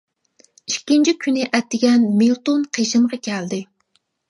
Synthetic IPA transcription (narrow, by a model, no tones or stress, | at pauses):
iʃkʲːint͡ʃʰikʲʰynɪʔɛt̪ːɪɡʲɛnmelˠt̪onqʰeʃɨmʁɑkʲʰɛld̪ɪ